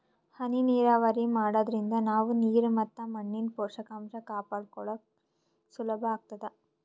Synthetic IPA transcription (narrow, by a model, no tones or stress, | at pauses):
hɐniniːɾaːʋaɾimaːɽod̪ɐɾind̪ɐnaːʋuniːɾumɐt̪ːɐmɐɳːinpoːɾʂɐkamʃɐkaːpaːɽkɔɭɐ | sulɐbʱɐːɡ̚t̪ɐd̪e